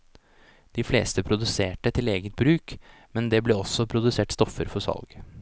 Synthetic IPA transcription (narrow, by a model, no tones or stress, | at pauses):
d̪̥ɪflḛːst̪əpʰɾʊd̪ʉseːʈət̪ʰɪleːɡət̪̚bɾʉːk | mɛnd̪ɛblɛːɔsːɔpʰɾʊd̪ʉseːʈst̪ɔfəɾfɔsɑ̰lɡ